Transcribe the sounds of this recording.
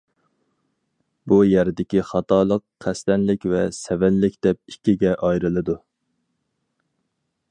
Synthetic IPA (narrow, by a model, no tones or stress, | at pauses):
bujæɾd̪ɪkʲiχɑt̪ʰɑːlˠəqːʰæst̪ɛnlɪkʲvɛsɛvɛnlɪkʲd̪̥ɛp̚ikʲːiɡʲɛʔɑjɾɨlˠɨd̪u